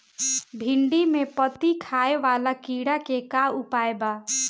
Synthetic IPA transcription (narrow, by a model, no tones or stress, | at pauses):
bʱɪɳɖimepət̪ikʰaːeʋaːlakiɽakekaʊpaːeba